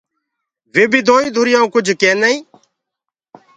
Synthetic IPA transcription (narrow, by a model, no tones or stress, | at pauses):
ʋeːbiːd̪ʱoːĩːd̪ʱʊɾɪjãːkʊd͡ʒʱkeːnəĩː